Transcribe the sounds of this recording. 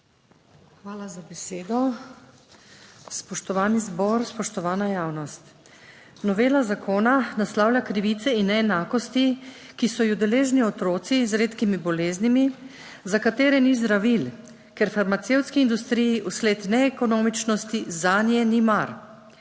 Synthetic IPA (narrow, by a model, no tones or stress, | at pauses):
xʋaːlazabɛseːd̪ɔ | spɔʃt̪ɔʋaːnizbɔɾspɔʃt̪ɔʋaːnajaːwnɔst̪ | nɔʋeːlazakʰoːnanaslawlʲakɾiʋiːt̪sɛinːɛɛnaːkɔst̪ikisɔjɔd̪ɛleːʒniɔt̪ɾoːt̪sizɾeːt̪kimibɔleːznimi | zakat̪eːɾɛnizd̪ɾaʋil | kɛɾfaɾmat̪seːwt̪skiːnd̪ust̪ɾijiʔuskleːt̪nɛːkɔnoːmit͡ʃnɔst̪izanjɛnimaɾ